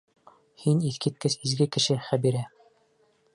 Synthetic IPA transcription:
hiniθkit̪̚kɘsizɡɘkɘ̆ʃɘχæbiɾæ

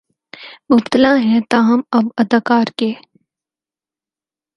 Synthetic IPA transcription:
mʊb̚t̪əlaɦɛ̃t̪aːɦəmɐbɐd̪akaːɾkeː

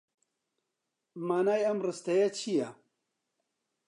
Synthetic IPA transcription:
maːnaːjɐmrɨst̪ɐjɐt͡ʃʰijɐ

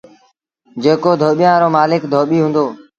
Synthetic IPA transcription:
d͡ʒeːkoːd̪ʱoːɓijãːɾoːmaːlɪkd̪ʱoːɓiːɦʊ̃nd̪oː

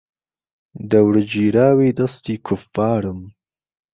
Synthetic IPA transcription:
d̪əwɽəd͡ʒiɾɑːwed̪ast̪ikʰʊfɑːɾəm

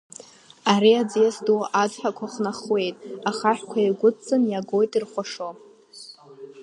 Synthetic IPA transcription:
aɾiad͡zjasdoʔad͡zħakʷʰaχnaχwe̞jtʼaχaħʷkʷʰaiɡʷʊt͡sʼɨnjaɡo̞jtʼirχʷaʂo

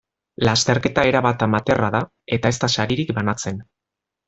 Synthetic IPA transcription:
last̪e̞ɾke̞t̪ae̞ɾaβat̪amat̪e̞raða | e̞t̪aest̪asaɾiɾikbanat͡se̞n

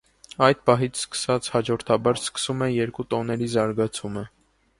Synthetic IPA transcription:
ɑjd̪̚pɑɦit͡sʰskə̥sɑt͡sʰhɑd͡ʒɔɾt̪ʰɑbɑɾskə̥sumɛjɛɾkut̪ɔnɛɾizɑɾɡɑt͡sʰumə

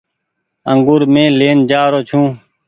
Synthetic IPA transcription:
əŋɡuːɾmẽːleːnd͡ʒaːɾoːt͡ʃʰũː

